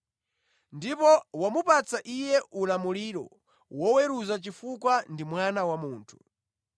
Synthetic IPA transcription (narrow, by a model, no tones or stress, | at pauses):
ndipɔwamupat͡saʔijɛʔulamuliːɾɔ̰ | wɔwɛɾuzat͡ʃifukwandimwanawamuːntʰu̥